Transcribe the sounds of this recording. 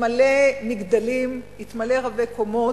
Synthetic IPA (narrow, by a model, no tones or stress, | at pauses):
malemiɡd̪alim | it̪maleʁabekomo